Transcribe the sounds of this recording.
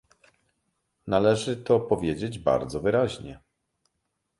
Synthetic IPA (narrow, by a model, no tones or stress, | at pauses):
nalɛʐɘt̪ɔpɔvʲjed͡ʑed͡ʑba̰ɾd̪zɔvɘɾaʑɲɛ